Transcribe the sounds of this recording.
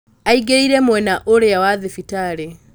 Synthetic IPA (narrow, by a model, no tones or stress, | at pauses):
aiɡeiɾɛmwɛnaʔoɾeawaðefitaɾe